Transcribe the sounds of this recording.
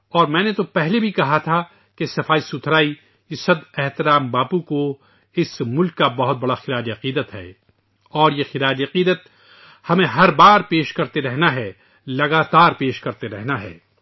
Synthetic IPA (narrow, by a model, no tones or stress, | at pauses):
ɔːɾmɛ̃ːnet̪opɛɦlebʱikɐɦat̪ʰa | kesɐfaːisʊt̪ʰɾaːi | esɐd̪ɛɦt̪ɪɾaːmbaːpuko | ɪsmʊlkːabɐɦʊt̪̚bɐɽaxɪɾaːd͡ʒɐqiːd̪ət̪ɦɛ̰ː | ɔːɾjexɪɾaːd͡ʒɐqiːd̪ət̪̚ | hɐmẽɦɐɾbaːɾpeːʃkɐɾt̪eɾɛɦnaɦɛː | lɐɡaːt̪aːɾpeːʃkɐɾt̪eɾɛɦnaɦɛ̰ː